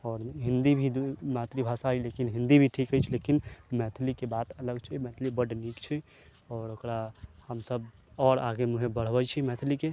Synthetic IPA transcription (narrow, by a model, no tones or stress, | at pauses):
ɔːɾɦĩnd̪ibʱid̪umat̪ɾibʱasaɦilekinɦĩnd̪ibʱiʈʰikəjt͡ʃʰlekinmɛt̪ʰlikebat̪ələɡt͡ʃʰimɛt̪ʰlibəɖnikt͡ʃʰi | ɔːɾokɾahəmsəb | ɔɾa̰ɡemuɦebəɽ̤bəd͡ʒt͡ʃʰimɛt̪ʰlike